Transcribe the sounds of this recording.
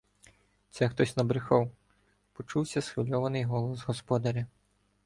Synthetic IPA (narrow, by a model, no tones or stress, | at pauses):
t̪sɛxt̪ɔsʲnɐbɾɪxɔw | pɔt͡ʃuwsʲɐsxɪlʲɔʋɐnɪjɦɔlˠɔzɣɔspɔd̪ɐɾʲɐ